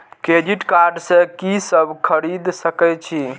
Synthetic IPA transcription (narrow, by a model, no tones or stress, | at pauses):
ked͡ʒiʈkaɾɖsə̃kisəbkʰəɾid̪səkɛt͡ʃʰi